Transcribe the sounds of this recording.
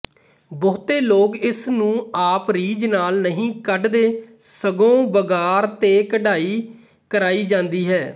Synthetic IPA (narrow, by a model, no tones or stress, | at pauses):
boːt̪eːloːkɪsnũːaːpɾiːd͡ʒnaːlnəɦĩːkəɖd̪eː | səɡõːbəɡaːɾt̪eːkəɖaːiː | kəɾaːiːd͡ʒãːnd̪iːɦɛː